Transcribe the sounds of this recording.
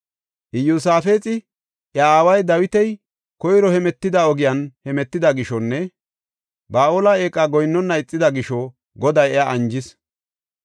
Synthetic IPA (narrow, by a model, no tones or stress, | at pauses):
ʔɪjus̬aːfe̞ːt͡sʼɪ | ʔjɐaːwɐjd̪ɐwɪt̪ɛj | kɔjɾɔhɛmɛt̪ːɪd̪ɐɔɡɪjɐnhɛmɛt̪ːɪd̪ɐɡɪʃɔnːɛ | baːʔoːlɐe̞ːkʼːɐɡɔjnːɔnːɐɪt͡sʼːɪd̪ɐɡɪʃɔ | ɡɔd̪ɐjɛaʔɐnd͡ʒɪs